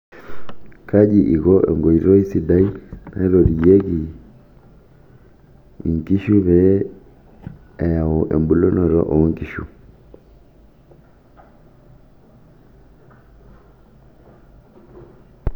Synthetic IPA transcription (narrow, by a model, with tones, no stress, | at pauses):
kʰa˦d͡ʒi˨ʔi˨ɣɔ˦ʔɛ̰˨ŋɡɔ˨i˨ɾɔ˦i˦si˨da˦i˦na̰˨i˦ɾɔ˨ɾi˨jɛ˦ɣi˨ | ŋki˦ʃu˦βɛ˦ | ɛ˨ja˨wɔ˨ʔɛ̰˨mbu˨˦lɔ˦nɔ˨ɾɔ̰˦ʔɔ˨˦ŋki˨ʃṵ˨